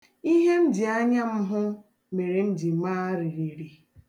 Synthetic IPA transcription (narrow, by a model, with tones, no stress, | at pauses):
i˦ɦe˦n̩˦dɪ˨a˦ɲa˦m̩˦ɦʊ˦ | me˨ɾe˨m̩˦dɪ˨maː˦ɾi˨ɾi˨ɾi˨